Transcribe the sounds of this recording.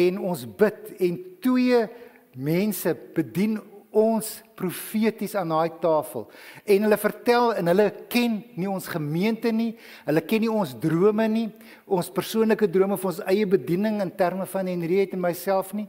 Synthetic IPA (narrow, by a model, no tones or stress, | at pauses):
ɛnɔnsbətɛntwiə | mɛnsəb̥ədinɔnsprufiətisɑːndɑːjtɑːfə̰lˠɛnɦələfərtælˠənɦələkɛnːiɔnsχəmiəntəni | ɦələkɛnːiɔnsdruəməni | ʔɔnspərsuənləkədruəməfəɔnsɛjəbədinəŋəntærməfɐnɛnəɾiɦəjtənmɛjsælˠfni